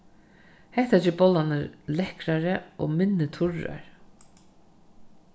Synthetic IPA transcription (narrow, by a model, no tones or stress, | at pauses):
hɛht̪at͡ʃɪbɔlanɪɾlɛhkɾaɾəɔ̰mɪnːɪt̪ʰʊɹa̰ɹ